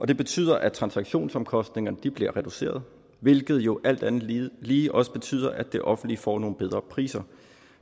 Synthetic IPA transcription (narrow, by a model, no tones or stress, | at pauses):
ʔɒ̽d̥e̝b̥e̝t͡sʰy̰ːð̞̰ˠɐʔæt͡sʰʁɑ̈nsɑ̈ɡ̥ɕo̝̰ːnsɒ̽mkʰɒ̽sd̥ne̝ŋɐnəd̥ib̥liɐ̰ʁɛd̥use̝̰ːɐð̞ˠ | ʋe̝lɡ̥ð̞̩ˠjo̝ʔæl̰d̥ænð̩ˠliːʔɒ̽səb̥e̝t͡sʰy̰ːð̰ˠɐʔæd̥e̝ʔɒ̽fn̩d̥lifɒ̰ːno̝ːn̩b̥eðˠʁɐpʰʁḭːsɐ